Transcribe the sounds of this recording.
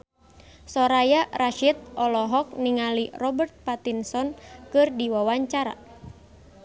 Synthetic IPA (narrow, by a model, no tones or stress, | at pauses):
sɔɾajaraʃit̪̚ɔlɔɦɔk̚niŋalirɔbərt̪̚pat̪insɔnkɨrdiwawaɲt͡ʃaɾa̰